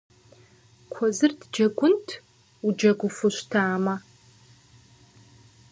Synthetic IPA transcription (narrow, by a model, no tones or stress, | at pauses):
kʷʰɔzɨrtʰd͡ʒɐɡʷʊntʰ | ud͡ʒɐɡʷʊfɨɕtʰaːmɐ